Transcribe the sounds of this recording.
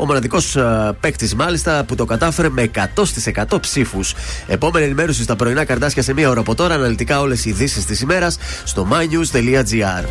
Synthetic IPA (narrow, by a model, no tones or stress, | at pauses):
o̞mo̞nɐðiko̞spe̞kt̪izmɐlist̪ɐput̪o̞kɐt̪ɐfe̞ɾeme̞ːkɐt̪o̞st̪ise̞kɐt̪o̞psifuse̞po̞me̞nɐenime̞ɾusist̪ɐpɾo̞inɐkɐɾt̪ɐsçɐse̞miɐo̞ɾɐːpo̞t̪o̞ɾɐːnɐlit̪ikɐo̞le̞siðisist̪isime̞ɾɐsːt̪o̞mɐɲuzt̪e̞liɐd͡ziɐɾ